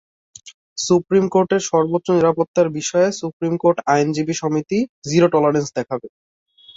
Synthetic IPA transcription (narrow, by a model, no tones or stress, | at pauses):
supɾimkoɾʈeɾʃɔɾbot̪ːɾoniɾapot̪ːaɾbiʃɔesupɾimkoɾʈajnd͡ʑibiʃɔmit̪id͡ʑiɾoʈɔlaɾensd̪ɛkʰabe